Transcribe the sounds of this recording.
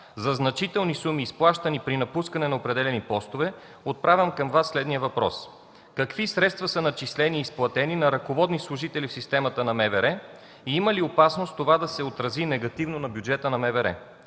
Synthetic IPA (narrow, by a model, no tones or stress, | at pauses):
zɐznɐt͡ʃit̪ɛlˠnisumiːsplˠaʃt̪ɐnipɾinɐpuskɐnɛnɐopɾɛd̪ɛlɛnipɔst̪ovɛ | ot̪̚pɾavʲəmkɐmvasːlɛd̪nijəvɐpɾɔ̰s | kɐkvisɾɛt̪st̪vɐsənɐt͡ʃislɛniːsplˠɐt̪ɛninɐɾɐkovɔd̪nislˠʊʒit̪ɛlifsist̪ɛmɐt̪ənɐmɛvɛɾɛ | iiməliopasnost̪ovad̪ɐsɛot̪ɾɐzinɛɡɐt̪ivnonɐbjud͡ʒɛt̪ənɐmɛvɛɾɛ̰